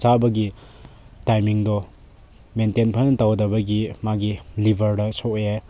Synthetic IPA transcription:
t͡ʃabɐɡi | tajmiŋdɔ | mentenpʰanntawdɐbɐɡimaɡilibʱɐɾdɐsɔkje

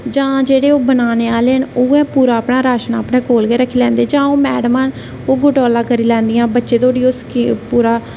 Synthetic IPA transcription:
d͡ʒãːd͡ʒeːɽeːoːbənaːneːaːleːɦənuːɛ̃ːpuːɾaːpɳaːɾaːʃnaːpɳẽːkoːlɡeːɾəkʰːiːlɛ̃ːnd̪eːd͡ʒãːoːmɛːɽəmãːn | oːɡʊʈɔːlãːkəɾiːlɛ̃ːnd̪ijãːbətːʃeːt̪oːɽiːoːskːpuːɾaː

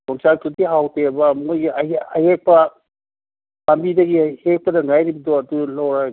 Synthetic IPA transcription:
tɔŋsatudiɦawtʰebɐmŋojɡiaa̰jhek̚pɐ | pambidɐɡihek̚pɐdɐŋajɾibdoɐdulawɾa

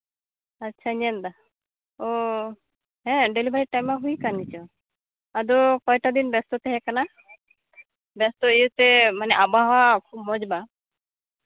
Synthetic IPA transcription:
atːt͡ʃʰaɲɛnd̪a | o | ɦɛ̃ɖelibʱaɾiʈajmːaɦujkanit͡ʃɔ | ad̪ɔkɔjʈad̪inbɛst̪ɔt̪eɦɛkana | bɛst̪ɔejut̪emanɛʔabaɦɔwakʰub̚mɔd͡ʒba

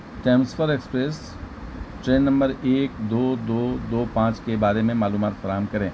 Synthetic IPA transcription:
ʈɛ̃ːmsfəɾekspɾeːs | ʈɾeːnːɐ̃mbəɾeːk̚d̪oːd̪oːd̪oːpãːt͡ʃkebaːɾemẽmaːluːmaːt̪fɐɾaːɦəmkɐɾẽː

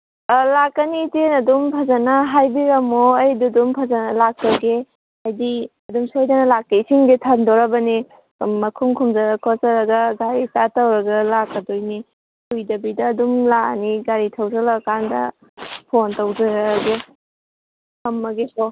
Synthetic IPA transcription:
lakːɐnitenɐdumpʰɐzɐnɐɦajbiɾɐmoɐjdudumpʰɐzanɐlak̚tɐɡe | ajdiɐdumsjdɐnɐlakːeisiŋɡetʰandɔɾɐbɐni | mɐkʰuŋkʰumzɐɾɐkʰɔsɐɾɐɡɐɡaɾitatɐwɾɐɡɐlakːɐdojni | hʰujdɐbidɐːdumlaniɡaɾitʰɐwdɐlakandɐ̰ | pʰontɐwdɐɾɐɾɡe | hɐmːɐɡekʰo

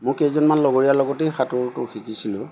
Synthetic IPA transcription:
mʊ̃kejzɔnmanlɔɡoɹijalɔɡɔtejxatʊɹtʊxikisilʊ

